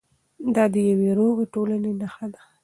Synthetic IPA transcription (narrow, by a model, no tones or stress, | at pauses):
d̪ɑd̪əjaweɾoɣeʈolanenaxad̪a